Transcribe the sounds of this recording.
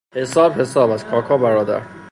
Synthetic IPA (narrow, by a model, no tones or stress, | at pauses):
hesɒːbhe̞sɒːbæz̥kʰɒːkʰɒːbæɾɒːd̪æ̰ɾ